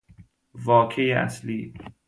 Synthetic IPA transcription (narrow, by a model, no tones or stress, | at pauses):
vɒːkʰejeʔæ̰sliː